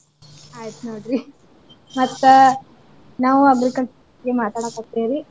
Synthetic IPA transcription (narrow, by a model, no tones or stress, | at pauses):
aːjt̪unoːɽɾi | mɐt̪ː | naːʋuɐɡɾikɐlt͡ʃɐɾ | ɡemaːt̪aːɽakakt̪eːɾi